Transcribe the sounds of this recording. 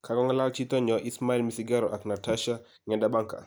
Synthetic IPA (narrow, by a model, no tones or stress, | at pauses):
kʰaɡɔŋalalt͡ʃit̪ɔɲɔʔismailmisiɡaɾɔʔaknataʃa | ŋɛndabaŋka̰